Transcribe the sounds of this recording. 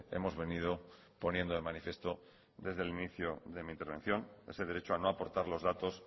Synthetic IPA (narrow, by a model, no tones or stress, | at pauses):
e̞̰mo̞zβe̞niðo̞ | po̞nje̞nd̪oðemanifje̞st̪o̞ | d̪e̞zðeliniθjoðe̞mĩnt̪e̞ɾβ̞ẽ̞̰n̟θjo̞neseð̞eɾe̞t͡ʃoano̞apo̞ɾt̪aɾlo̞zðat̪o̞s